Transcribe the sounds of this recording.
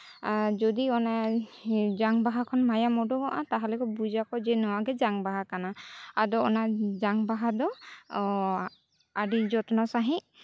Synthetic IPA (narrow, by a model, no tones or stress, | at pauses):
d͡ʒɔd̪iɔna | d͡ʒaŋbaɦakʰɔnmajamɔɖɔɡɔʔat̪aɦalɛkɔbud͡ʒakɔd͡ʒɛnɔwaɡɛd͡ʒaŋbaɦakanaadɔɔnad͡ʒaŋbaɦad̪ɔ | aɖid͡ʒɔt̪ɔnasaɦĩ